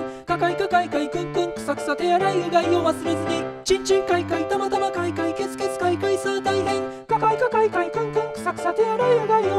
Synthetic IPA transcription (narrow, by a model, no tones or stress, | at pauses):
kakaikakaikaikɯ̟̃ŋkɯ̟̃ŋkɯ̟̥sakɯ̟̥sat̪e̞jaɾaiɯ̟ɡaioβasɨɾe̞zɨɲ̟it͡ɕĩɲ̟t͡ɕɨ̃ŋkaikait̪amat̪aβakaikaike̞t͡sɨ̥ke̞t͡sɨ̥kaikaisaːt̪aiɦẽŋ | kakaikakaikaikɯ̟̃ŋkɯ̟̃ŋkɯ̟̥sakɯ̟sat̪e̞jaɾaiɯ̟ɡaio